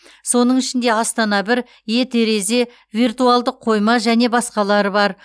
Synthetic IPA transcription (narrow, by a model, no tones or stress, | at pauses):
so̞nəɴɪʃɪnd̪e̞ɑst̪ɑnɑbɪɾ | je̞t̪ʰe̞ɾe̞ze̞ | vijrt̪ualˠd̪əqʰːo̞jmɑʒæne̞bɑsqɑlˠɑɾəbɑɾ